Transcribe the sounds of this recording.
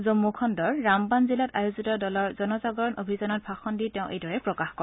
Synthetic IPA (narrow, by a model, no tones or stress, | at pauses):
zomːukʰɔndɔɹːambanzilatajozitɔdɔlɔɹzɔnɔzaɡɔɹɔnʔobʱizanɔt̚bʱaxɔnditɛʊ̃ʔḛjdɔɹɛpɹɔkaxkɔɹ